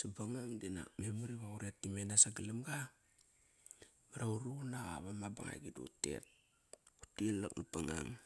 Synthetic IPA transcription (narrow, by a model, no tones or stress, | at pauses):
sabaŋaŋdina̰memuɾiβauɾetːimenasaɡilimɡa | maɾauɾunaɣa̰βamaba̰ŋa̰jɡido̰te̞̰t̚ | utila̰knapaŋa̰ŋ